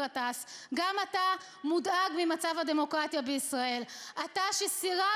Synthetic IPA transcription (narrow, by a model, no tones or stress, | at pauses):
atasɡamata | mudaɡmimat͡savhademo̞kʁatjabeisʁae̞lataʃesiʁa